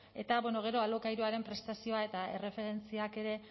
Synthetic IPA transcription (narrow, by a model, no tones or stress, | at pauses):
e̞t̪aβweno̞ɣ̞e̞ɾo̞alokajɾuaɾe̞mpɾe̞st̪asio̞ae̞t̪ae̞re̞fe̞ɾe̞nt͡siake̞ɾe̞